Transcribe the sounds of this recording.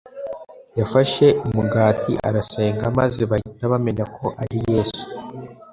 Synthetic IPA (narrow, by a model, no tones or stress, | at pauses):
jafaʃe̞ʔumuɡaːtʰḭʔa̰ɾase̞ːŋɡama̰ziβaitaβame̞ɲakʰo̞ʔaɾije̞ːsu̥